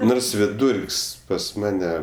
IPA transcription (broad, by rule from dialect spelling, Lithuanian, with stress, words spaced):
ˈnoːrs ʋʲɪˈduːrʲkʲsʲ pɐs ˈmɑːnʲɛ